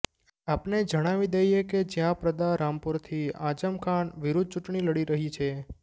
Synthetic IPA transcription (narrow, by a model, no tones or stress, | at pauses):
apned͡ʒəɽ̃aʋid̪ejeked͡ʒjãpɾəd̪aɾampuɾt̪ʰiã̰d͡ʒəmkʰaɳʋiɾud̪̚ʱt͡ʃuʈɳiləɽiɾəɦit͡ʃʰe